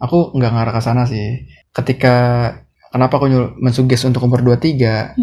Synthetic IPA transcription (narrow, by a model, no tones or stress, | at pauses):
akuŋɡaŋaɾakasanas̬ɪh | kət̪ika | kənapaːkuɲumənsuɡɛsunt̪ʊk̚umbərduat̪iɡa